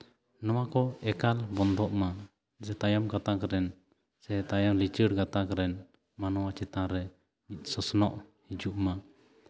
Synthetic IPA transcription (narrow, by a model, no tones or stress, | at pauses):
nɔwakɔɛkalbɔnd̪ɔʔma | d͡ʒɛt̪ajamkat̪akɾɛn | sɛt̪ajawlit͡ʃəɽɡat̪akɾɛn | manɔwat͡ʃɛt̪ãɾɛ | mit̪̚ˀsɔsnɔʔhid͡ʒuʔma